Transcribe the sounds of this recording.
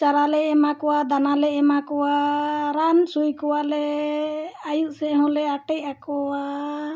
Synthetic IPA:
t͡ʃaɾalɛɛmakɔwad̪analɛɛmakɔwaɾansujkɔwalɛ | ajuʔ̚sɛɦɔ̃lɛaʈɛʔakɔwa

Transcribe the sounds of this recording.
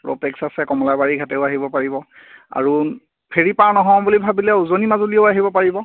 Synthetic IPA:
pɹo̰pɛksasɛkɔmɔlabaɹiɡʱatɛʊaɦibɔpaɹibɔ | a̰ɹu | pʰeɹipaɹnɔɦɔ̃bulibʱabilɛuzonimazulieʊaɦibɔpaɹibɔ

